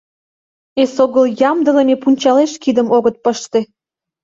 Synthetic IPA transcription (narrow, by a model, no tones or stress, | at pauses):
esoɣəljɑmd̪ə̆lemepunʲt͡ɕɑleʃkid̪əmoɣət̪̚pəʃt̪ĕ